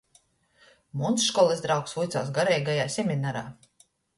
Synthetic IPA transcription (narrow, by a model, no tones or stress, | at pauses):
munsʃkɔlˠɛsd̪ɾawksvujt̪saːs̬ɡaɾɛjɡajaːsʲɛmʲinaɾaː